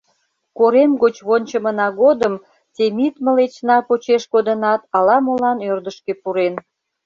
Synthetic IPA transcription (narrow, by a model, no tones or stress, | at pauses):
koɾemɡot͡ɕβonʲt͡ɕəmənɑɣod̪əm | t̪ʲemit̪məlet͡ɕnɑpot͡ɕeʃkod̪ənɑt̪ɑlɑmolɑnørd̪əʃkepuɾen